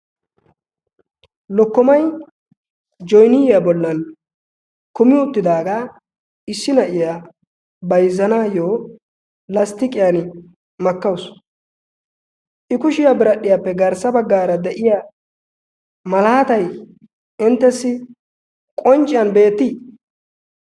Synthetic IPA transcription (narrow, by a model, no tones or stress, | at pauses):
lɔkːɔmɐj | d͡ʒɔjnɪjjabɔlːɐn | kʊmɪʊt̪ːɪd̪aːɡa | ʔɪsːɪnɐʔɪja | bɐjzːɐnaːjoː | lɐst̪ɪkʼɪjan | mɐkːɐws | ʔɪkʊʃɪjabɪɾɐɗːɪjapːɛɡɐɾsːɐbɐɡːaːɾɐd̪ɛʔɪja | mɐlaːt̪ɐj | ɪnt̪ːɛsːɪ | kʼɔnt͡ʃʼɪjɐnbe̞ːt̪ːɪ